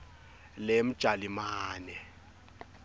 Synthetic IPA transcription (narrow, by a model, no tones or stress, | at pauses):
lem̩d̥ʒ̥ʱalimaːnɛ